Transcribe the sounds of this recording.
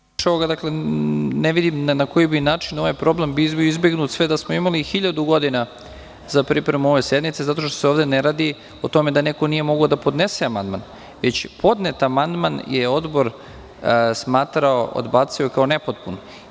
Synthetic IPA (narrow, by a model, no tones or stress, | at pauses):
ʃaoɡad̪akle̞neʋid̪imnako̞jibinaːt͡ʃino̞ʋajpɾo̞ble̞mbibioizbe̞ɡnuːt̪sʋed̪asmoimalixiʎad̪uɡo̞d̪ina | zapɾipɾemuo̞ʋe̞sje̞d̪mit̪se̞zat̪o̞ʃt̪oseoʋd̪eneɾaːd̪i | ot̪o̞me̞d̪aneko̞nije̞mo̞ɡaod̪apo̞d̪neseamand̪man | ʋe̞t͡ɕpʰo̞d̪net̪amand̪manjeo̞d̪bo̞ɾ | smaːt̪ɾaoʔo̰d̪baːt̪siokao̞ne̞pot̪pun